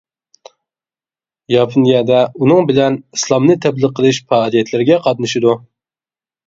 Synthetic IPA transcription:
jɑpʰunijɑd̪ɛunɨŋbɪlɛnislˠɑmnɨt̪ʰɛblˠəqʰəlˠɨʃfɑːlˠijɛt̪ʰlɪɾɪɡʲɛqʰɑd̪nɨʃid̪u

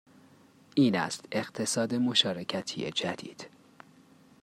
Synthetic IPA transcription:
ʔiːnæ̰st̪e̞ɣt̪ʰe̞sɒːd̪emo̞ʃɒːɾecʰæt̪ʰijḛd͡ʒæd̪ḭːd̪̥

